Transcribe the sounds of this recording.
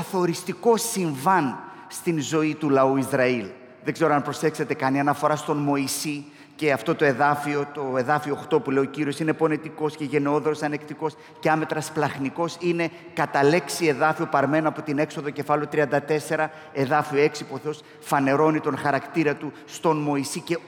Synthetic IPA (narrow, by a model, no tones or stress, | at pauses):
ɐθo̞ɾist̪iko̞siɱvɐn | st̪inzo̞it̪ulɐuizɾɐil | ðeɡze̞ɾoɐnpɾo̞se̞kse̞t̪e̞kɐniɐnɐfo̞ɾɐst̪o̞nmo̞isi | ce̞ɐft̪o̞t̪o̞e̞ðɐfio̞t̪o̞e̞ðɐfio̞ːxt̪o̞pule̞ioociɾio̞sine̞po̞net̪iko̞sce̞ʝe̞neo̞ðɾosɐne̞kt̪iko̞s | ceɐme̞t̪ɾɐsplɐxniko̞sine̞ | kɐt̪ɐle̞ksie̞ðɐfiopɐɾme̞noɐpo̞t̪ine̞kso̞ðoce̞fɐleot̪ɾiɐnd̪ɐt̪e̞se̞ɾɐ | e̞ðɐfioe̞ksipuoθe̞o̞s | fɐne̞ɾo̞nit̪o̞nxɐɾɐkt̪iɾɐt̪u | st̪o̞nmo̞isice̞